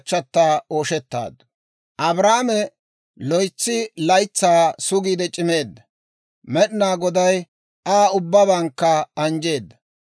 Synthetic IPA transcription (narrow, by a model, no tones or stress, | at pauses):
t͡ʃːɐt̪ːaːoːʃɛt̪ːa̰ːd̪ | ʔɐbɾaːmɛ | lɔjt͡sːɪlɐjt͡sːaːsʊɡiːd̪ɛt͡ʃʼɪme̞ːd̪ːɐ | mɛɗɪnaːɡɔd̪ɐj | aːʊbːɐβɐŋkːɐɐnd͡ʒe̞ːd̪ːɐ̥